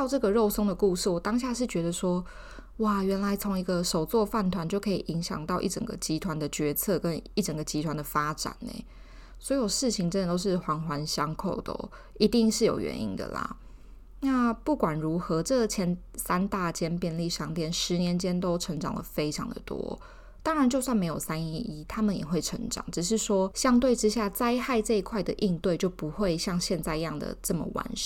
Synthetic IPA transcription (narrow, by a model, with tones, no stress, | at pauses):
t̪ɑ˥˧ʊʈ͡ʂɤ˥˩ɡə˩ɻo˥˩ʊso˥ŋd̪ə˨ku˥˧ʂɻ̩˥˩wɔ˨˩t̪ɑ˥ŋɕ̬ja˥˧ʂ̬ɻ̩˥˩t͡ɕɥɛ˧˥d̪ə˧ʂwɔ˥ | wa˥˨˩ɥɛ˧˥nla˧˥ɪt͡sʰo˧˦˥ŋi˧˥ɡə˧ʂo˨˩ʊt͡swɔ˥˧fa˥˩nt̪ʰwa˧˦nt͡ɕjo˥˩ʊkʰɤ˧˥i˨˩ʔi˧˥ŋɕjɑ̰˨˩ŋt̪ɑ˥˧ʊʔḭ˥˩ʈ͡ʂə̰˨˩ŋɡə̰˩t͡ɕi˥t̪ʰwa˧˦nd̪ə˨t͡ɕɥɛ˧˥t͡sʰɤ˥˧kə˦˥ni˥˩ʈ͡ʂə˨˩ŋɡə˩t͡ɕi˧˥t̪ʰwa˧˦nd̪ə˨fa˥ʈ͡ʂa̰˨˩˦nḛ˨˩˦ | swɔ˧˥jo˨˩ʊʂɻ̩˥˩t͡ɕʰi˨˩ŋʈ͡ʂə˦nd̪ə˨t̪o˥ʊʂɻ̩˥˩xwɑ˧˥ŋxwa˧˥nɕjɑ˥ŋkʰo˥˩ʊd̪ə̰˩ | i˧˥t̪i˥˧ŋʂɻ̩˥˩jo˨˩ʊɥɛ̰˧˦nḭ˦˥nd̪ə̰˨˩la̰˩ | na˥˨pu˥˩kwa˨˩nɻu˧˥xɤ˧˦ʈ͡ʂɤ˥˩ɡt͡ɕʰjɛ˧˥n | sa˥nt̪a˥˧t͡ɕjɛ˥npjɛ˥˧nli˥˩ʂɑ˥˧ŋt̪jɛ˥˩nʂɻ̩˧˦njɛ˧˦nt͡ɕjɛ˥nt̪o˥ʊʈ͡ʂʰɤ˧˥ŋʈ͡ʂɑ˨˩ŋlə̰˨˩fe˥ɪʈ͡ʂʰɑ̰˧˦ŋd̪ə̰˨˩t̪wɔ̰˦ | t̪ɑ˥ŋɻa˨˧˦nt͡ɕjo˥˧ʊswnme˧˥ɪjo˨˩sa˦ni˧i˥t̪ʰa˥mə˨njɛ̰˨˩xwe˥˩ɪʈ͡ʂʰə˧˥ŋʈ͡ʂɑ̰˨˩ŋʈ͡ʂɻ̩˨˩ʂ̬ɻ̩˥˩ʂwɔ˥ɕjɑ˥ŋt̪we˥˩ɪʈ͡ʂɻ̩˥ɕja˥˩t͡sa˥ɪxa˥˧ɪʈ͡ʂɤ˥˧i˧kʰwa˥˩ɪd̪ə˨ʔi˥˧ŋt̪we˥˧ɪt͡ɕjo˥˩ʊpu˧˦xwe˥˧ɪɕjɑ˥˧ŋɕjɛ˥˧nt͡sa˥˧ɪi˧jɑ˥˩ŋd̪ə̰˨˩ʈ͡ʂə˥˩mə̰˨˩wa̰˧˥n